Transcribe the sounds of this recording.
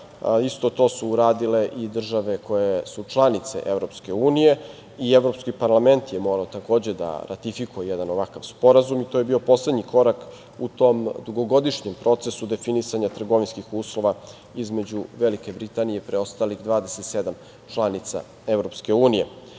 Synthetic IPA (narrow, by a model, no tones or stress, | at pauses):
ist̪o̞t̪o̞ːsuːɾaːd̪ile̞ʔid̪r̩ʒaʋe̞ko̞jesut͡ʃlˠanit̪se̞̰ʔe̞vɾo̞pske̞uːnije̞ | ieʋɾo̞pskipaɾlame̞nt̪jemo̞ːɾaot̪ako̞ːd͡ʑe̞d̪a̰ɾa̰t̪ifikujejed̪anoʋakaʋspo̞ɾazumit̪ojebiːo̞po̞sled̪ɲiko̞ɾak | ṵt̪o̞md̪uɡo̞ɡo̞d̪iʃɲempɾo̞t̪sesud̪e̞finisaɲat̪r̩ɡo̞ʋinskixuːslˠo̞ʋa | izme̞d͡ʑuʋelike̞bɾit̪anijepɾeo̞st̪alixd̪ʋaːd̪eset̪sed̪am | t͡ʃlˠanit̪sa̰ | evɾo̞pske̞uːnije̞